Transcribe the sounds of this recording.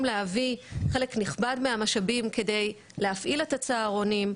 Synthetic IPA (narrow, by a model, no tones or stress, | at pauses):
mleaviχe̞le̞kniχbadmeamaʃabimke̞de̞j | leafʔile̞tat͡saːʁonim